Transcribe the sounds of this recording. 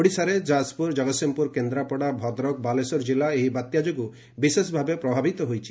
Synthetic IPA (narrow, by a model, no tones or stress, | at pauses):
oɽisaɾed͡ʒaspuɾd͡ʒɔɡɔsimpuɾkend̪ɾapɔɽabʱɔd̪ɾɔk̚balesɔɾd͡ʒilaeɦibat̪jad͡ʒoɡu | bisesbʱabepɾɔbʱabit̪ɔɦojt͡ʃʰi̥